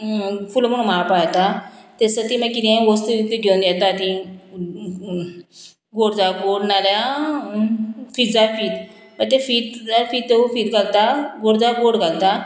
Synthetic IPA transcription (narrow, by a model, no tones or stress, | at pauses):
fulm̤əɽũmapajt̪at̪esət̪iməkːid̪ɡost̪uit̪əɡʱewnd̪jat̪at̪i | ɡoɽd͡zaɡoɽnalja | fid͡zafiːt̪ | pət̪efiːt̪d͡zafiːt̪̚ːeufiːt̪ɡalt̪aɡoɽd͡zaɡoɽɡalt̪a